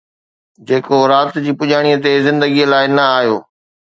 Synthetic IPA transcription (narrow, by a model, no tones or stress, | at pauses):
d͡ʑeːkoɾaːt̪d͡ʑiːpʊʄaːɽ̃iːət̪ezɪ̃nd̪əɡiəlaːɪnɐaːɦjoː